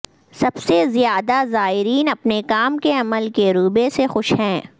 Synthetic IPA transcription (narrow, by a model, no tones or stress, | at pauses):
sɐbsezijaːd̪azaːɦɪɾiːnɐpnekaːmkeɐməlkeɾuːbesexʊʃɦɛ̃ː